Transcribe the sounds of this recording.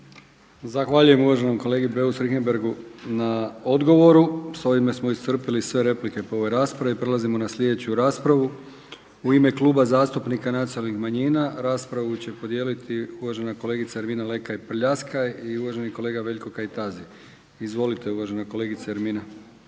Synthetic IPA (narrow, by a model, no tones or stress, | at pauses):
zaxʋaːʎuje̞muʋaʒe̞nomko̞le̞ːɡibe̞usɾixenbe̞ɾɡunao̞d̪ɡo̞ʋo̞ɾuso̞ʋime̞smo̞ist̪r̩pilisʋe̞ɾe̞plike̞poo̞ʋo̞jɾaːspɾaʋeipɾe̞lazimo̞naslʲʎʲe̞d̪e̞t͡ɕuɾaːspɾaʋu | uime̞kluːbazaːst̪upnikanat̪ionalnixmaɲiːnaɾaːspɾaʋut͡ɕe̞po̞d̪je̞ːlit̪ʰiuʋaʒe̞nako̞leɡit̪saeɾminale̞kajpr̩ʎaskajiuʋaʒe̞niko̞le̞ːɡaʋe̞ʎko̞kajt̪azi | izʋo̞lit̪e̞uʋaʒe̞nako̞le̞ːɡit̪saeɾmiːna